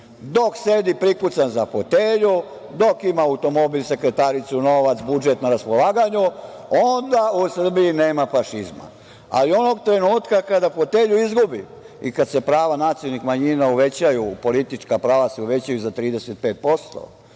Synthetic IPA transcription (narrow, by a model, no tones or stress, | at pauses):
d̪oksed̪ipɾikut̪sanzafot̪eːʎu | d̪o̞kimaawt̪o̞mo̞biʎse̞kɾe̞t̪aɾit̪suno̞ʋat̪sbud͡ʒe̞t̪naɾaspolˠaːɡaɲu | ond̪ausr̩biine̞ːmafaʃizma̰ | a̰lio̞noɡt̪ɾe̞nuːt̪kakad̪afot̪e̞ːʎuizɡubi | ikad̪se̞pɾaːʋanaːt̪sijonixmaɲinauʋe̞t͡ɕajupo̞lit̪it͡ʃkapɾaːʋaseuʋe̞t͡ɕajuzat̪ɾiːd̪eset̪̚peːt̪̚po̞st̪o̞̰